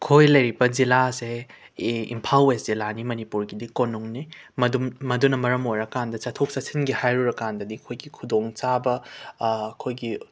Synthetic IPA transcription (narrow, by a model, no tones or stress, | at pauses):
kʰojlɐjɾibɐd͡ʒilase | ḭmpʰalwesz̥ilanimɐnipuɾɡidikonuŋnimɐdummɐdunɐmɐɾɐmojɾɐkandɐt͡ʃatʰok̚sɐsinɡihajɾuɾɐkandɐdikʰojɡikʰudoŋt͡ʃabɐː | kʰojɡi